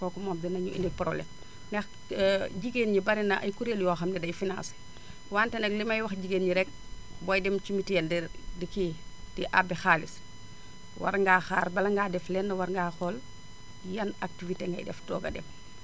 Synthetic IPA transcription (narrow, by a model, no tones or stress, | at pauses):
kɔkumɔːmdinɐɲuʔḭnik̚pɾo̰blɛ̰m | nɛx | ɟiɡenɲibɐɾinɐʔɐjkuɾeljɔːxɐmdɛdɐjfina̰ːs | waːntɛnɐk̚limɐjwɐxɟiɡenɲiɾɛk̚bɔjdɛmt͡ʃumitiɛnddikid̥iʔa̰bːɛxaːlis | wa̰ɾŋɡaxaːɾbɐlɐŋɡaːdɛflɛnːɐwaɾŋɡaːxɔl | jɐnak̚tifiteŋɡa̰jdɛ̰ftɔ̰ːɡɐ̰dɛm